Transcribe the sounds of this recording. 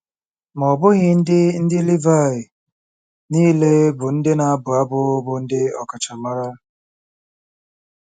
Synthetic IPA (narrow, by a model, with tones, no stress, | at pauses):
mɔ˨bʊ˦ɣɪ˦n̩˦dɪ˦n̩˦dɪ˦li˦va˦˨ɪ˨ | niː˦le˦bʊ˨n̩˦dɪ˦na˨a˦bʊ˨a˦bʊ˦bʊ˨n̩˦dɪ˦ɔ̰˨ka˨t͡ʃa˨ma˦ɾa˦